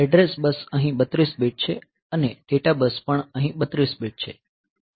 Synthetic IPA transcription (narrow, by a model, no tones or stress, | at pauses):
ɛɖɾesbəsəɦĩbət̪ɾisbeʈ̚t͡ʃʰe | əneɖeʈabəspəɳəɦĩɓət̪ɾisbeʈ̚t͡ʃʰe